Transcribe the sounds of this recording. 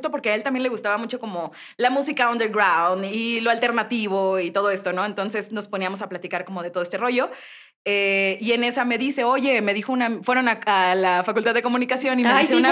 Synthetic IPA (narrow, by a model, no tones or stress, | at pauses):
t̪o̞po̞ɾkeae̞lt̪ambjenle̞ɣ̞ust̪aβamut͡ʃo̞ko̞mo | lamus̬ikao̞nd̪eɾɡɾawnd̪ilo̞alt̪e̞ɾnat̪iβ̞o̞it̪o̞ð̞o̞e̞st̪o̞no̞e̞nt̪o̞nse̞sno̞spo̞niamo̞s̬aplat̪ikaɾko̞mo̞ð̞et̪oðest̪e̞ro̞ʝo̞ | eie̞ne̞same̞ðise̞o̞ʝe̞me̞ðixo̞unafwe̞ɾo̞naalafakult̪aðe̞komũnikasjonimmeðiseuna